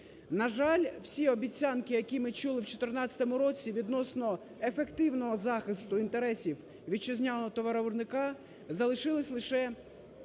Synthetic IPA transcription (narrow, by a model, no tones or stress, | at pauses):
nɐʒɑlʲw̥sʲiɔbʲit͡sʲːɑnkɪjɐkʲimɪt͡ʃulˠɪwt͡ʃɔt̪ɪrnɑt͡sʲɐ̥t̪ɔmʊɾɔt͡sʲiʋʲid̪nɔsnɔ | efe̞kt̪ɪwnɔɦɔzɑxɪst̪ʊint̪eɾɛsʲiw | ʋʲit͡ʃɐzʲnʲalɔɔt̪ɔʋɐɾɔʋʊrnɪkɑ | zɐlˠɪʃɪlˠɪsʲlˠɪʃɛ